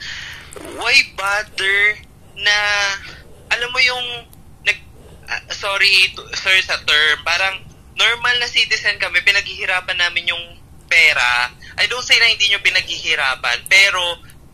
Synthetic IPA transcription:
wajbad̪ɛɹ | nɐ | ʔɐlamːojʊŋ | nɐɡ̚ | soːɾit̪sɛɹsɐt̪ɛɹmbaːɾɐŋ | noɹmɐlnɐsiːt̪ɪsɐnkɐmɛpɪnɐɡ̚hɪhɪɾaːpɐnːaːmɪnjʊŋ | pɛːɾa̰ʔɐjd̪onsejnɐhɪnd̪iːɲo̞pɪnɐɡ̚hɪhɪɾaːpɐ̰npɛːɾo̞

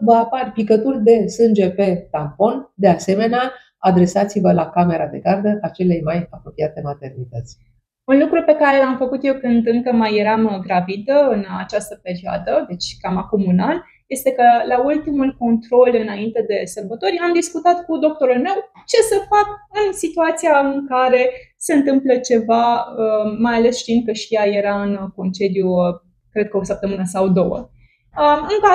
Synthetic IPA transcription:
vəaparʲpikət̪urʲd̪e̞sɨnd͡ʒe̞pe̞t̪ampo̞nd̪e̞ase̞me̞nea | ad̪ɾe̞sat̪sivəlakame̞ɾad̪e̞ɡard̪əʔat͡ʃe̞le̞jmajapɾo̞piat̪e̞mat̪e̞rnit̪ət̪sʲ | unlukɾupe̞kaɾe̞lamfəkut̪jewkɨnd̪ɨŋkəmajːe̞ɾamɡɾavid̪əɨnat͡ʃast̪əpe̞ɾioa̰d̪əd̪e̞t͡ʃʲkamako̞munal | je̞st̪e̞kəlault̪imulko̞nt̪ɾo̞lɨnaint̪e̞d̪e̞sərbət̪o̞ɾʲamd̪iskut̪at̪kud̪o̞k̚t̪o̞ɾulme̞w | t͡ʃe̞səfak̚ɨnsit̪uat̪sijaɨŋkaɾe̞ | se̞ɨnt̪ɨmplət͡ʃe̞vaəmːajale̞sʃt̪iind̪̚kəʃijaje̞ɾaɨnko̞nt͡ʃe̞d̪ju | kɾe̞d̪̚kəo̞səp̚t̪əmɨnəsawd̪o̞wə̰ | əɨŋkə

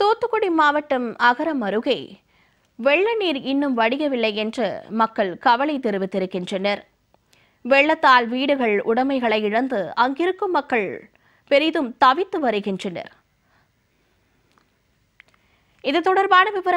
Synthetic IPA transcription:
t̪oːt̪ːɯkːɔɽɪmaːʋɐʈːɯmɐɣɐɾɐmɐɾɯɣɐɪ | ʋɛɭːɐniːɾɪnːɯmʋɐɽɪjɐʋɪlːɐɪɛndrɐ̰mɐkːɐɭkɐʋɐɭɐɪt̪ːɪɾɯʋɪt̪ːɪɾɯkːɪndrɐnɐɾ | ʋɛɭːɐt̪ːaːlʋiːɽɯɣɐɭʊɽɐmɐɪɣɐɭɐɪɪɻɐnd̪ɯɐŋɡɪɾɯkːɯmːɐkːɐɭ | pɛɾɪðɯmt̪ɐʋɪt̪ːɯʋɐɾɯɣɪndrɐnɐ̰ɾ | ɪðɯt̪ːɔɽɐɾbaːnɐʋɪʋɐɾɐ

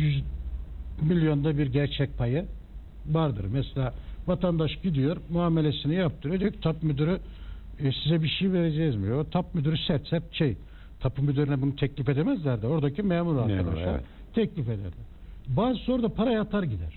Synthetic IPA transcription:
yz | milʲjo̞nd̪abiɾɟæɾt͡ʃʰɛc̚pʰajɯ | vaɾd̪ɯ̰ɾmɛselʲaːvat̪ʰand̪aʃɟid̪ijo̞ɾmuaːme̞lʲe̞sinijap̚t̪ʰɯɾed̪ijocʰt̪ʰapmød̪yɾy | sizɛbiʃejive̞ɾe̞d͡ʒɛjizmiot̪ʰap̚mød̪yɾysæɾt̪sɛɾʃej | t̪ʰapʰɯmød̪yɾinɛbunut̪ʰɛclʲife̞d̪emɛzlʲæɾd̪ɪo̞ɾd̪acʰimɛːmuɾaɾkʰad̪a̰ʃlˠa̰ɾ | t̪ʰɛclʲife̞d̪æ̰ɾd̪ɪ | baːzsoɾd̪apʰaɾajat̪ʰaɾɟid̪æɾ̥

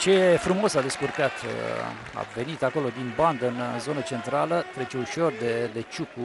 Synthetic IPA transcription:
t͡ʃe̞fɾumo̞sad̪e̞skurkat̪ | a̰ve̞nit̪ako̞lo̞d̪inband̪ɨnzo̞nət͡ʃe̞nt̪ɾalət̪ɾet͡ʃeuʃo̞rd̪ed̪et͡ʃuku

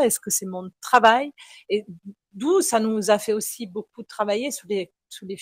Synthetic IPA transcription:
ɛskəsɛmɔ̃t̪χavaje | d̪usanuzafɛosibok̚ut̪χavajesyle | sulef

